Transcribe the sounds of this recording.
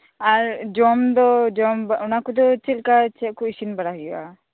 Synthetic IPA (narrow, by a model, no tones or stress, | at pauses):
aɾd͡ʒɔmd̪ɔd͡ʒɔmbaɔnakɔd̪ɔt͡ʃɛlkat͡ʃɛʔ̚kɔisinbaɽaɦija̰